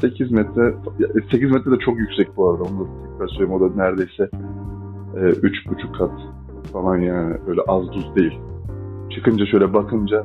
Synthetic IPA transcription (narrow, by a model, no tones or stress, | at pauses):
se̞cʰizmɛt̪ʰɾɛfajase̞cʰizmɛt̪ʰɾɛd̪ɛt͡ʃʰo̞kjycʲsɛc̚buaɾad̪aond̪at̪ʰɛcɾaɾsøjʲimo̞d̪anæɾd̪e̞jsɛ | ɛːʔyt͡ʃbut͡ʃʰukʰːat̪ | falˠanjaːnɪ̰bø̞jlʲɛʔazd̪uzd̪e̞jilʲ | t͡ʃʰɯkɯnd͡ʒaʃø̞jlʲɛbakʰɯnd͡ʒa